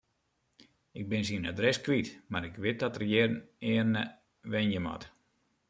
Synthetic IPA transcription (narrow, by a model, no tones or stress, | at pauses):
ɪɡ̚bɪnsina̰drɛskʋitmaɾɪkʋɪt̚dɔtərjɪrnɪːərnə | ʋɛnjəmɔ̰t